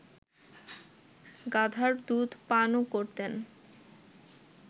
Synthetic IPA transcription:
ɡad̪ʱaɾd̪ud̪panokoɾt̪en

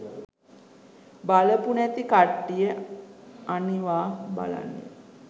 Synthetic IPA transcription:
baləpunæt̪ikaʈːijə | aniʋaːba̰la̰nːə̰

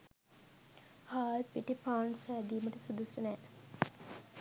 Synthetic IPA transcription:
haːt̪piʈipaːnsæːd̪iːməʈəsud̪usunæː

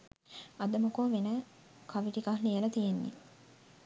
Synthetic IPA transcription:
ɐd̪əmukoːʋenə | kaʋiʈikaɦnijəlɐt̪ijenːḭ

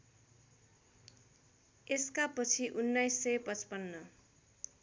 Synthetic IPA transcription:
eskapʌt͡sʰiʔunːajsːʌjpʌt͡spʌnːʌ

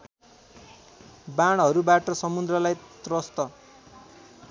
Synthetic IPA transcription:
baɽ̃ɦʌɾubaʈʌsʌmud̪rʌlajt̪rʌst̪ʌ

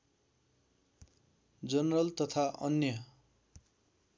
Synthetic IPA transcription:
d͡zʌnrʌlt̪ʌt̪ʰaʔʌnjʌ

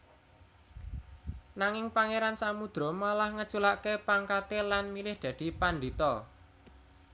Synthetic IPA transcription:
naŋɪŋpaŋeɾansamud̪̥ɾɔ̤malahŋə̥t͡ʃulaʔkepaŋkat̪elanmilɪhd̪̥ä̤d̪̥i̤pand̪it̪ɔ

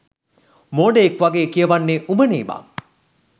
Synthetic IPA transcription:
moːɖəekʋaɡeːkijəʋanːeʔubəniːba̰

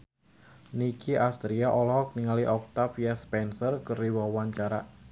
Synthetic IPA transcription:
nikiʔast̪ɾiaʔɔlɔhɔk̚niŋaliʔɔk̚t̪afijaspɛnsərkəriwawaɲt͡ʃaɾa̰

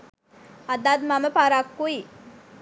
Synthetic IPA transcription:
ad̪ad̪maməpaɾakːui

